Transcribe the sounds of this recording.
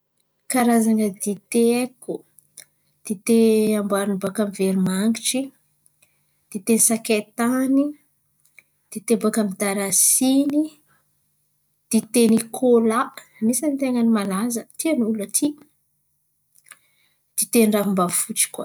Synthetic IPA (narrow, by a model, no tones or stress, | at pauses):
kaɾazaŋəd̪it̪eeko | d̪̥it̪eambaɾnibakamiveɾimaŋɡiʈ͡ʂi | d̪̥it̪enisaket̪ani | d̪̥it̪ebakamid̪aɾasini | d̪̥it̪enikʰolanisanit̪eŋanimalazət̪ianulət̪ʰi | d̪̥it̪enɖ͡ʐaɦumbafut͡ʃi̥kwa